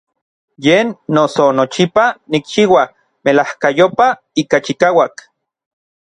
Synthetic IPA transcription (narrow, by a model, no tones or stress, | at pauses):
jeːnːosonot͡ʃipanik̚t͡ʃiwa | melahkajopa | iːkat͡ʃikaːwak